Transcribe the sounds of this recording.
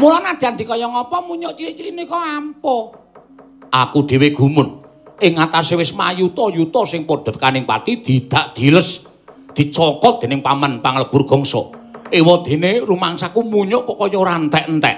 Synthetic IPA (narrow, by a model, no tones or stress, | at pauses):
mulanad̪̥i̤and̪i̤kɔjɔŋɔpɔmuɲɔʔt͡ʃiɾiʔt͡ʃiɾinikɔampɔ | ʔakuɖ̪̥e̤weɡ̥ṳmʊn | ʔɪŋat̪asewɪsmajut̪ɔjut̪ɔsɪŋpɔd̪̥ɔ̤t̪̚kanɪŋpa̰t̪id̪̥id̪̥a̤ʔd̪̥i̤ləs | d̪̥i̤t͡ʃɔkɔt̪̚d̪̥e̤nɪŋpamanpaŋələb̥urɡ̥ɔ̤ŋsɔ̰ʔewɔd̪̥e̤nerumaŋsakumuɲɔʔkɔkɔjɔɾant̪ɛʔnt̪ɛ̰ʔ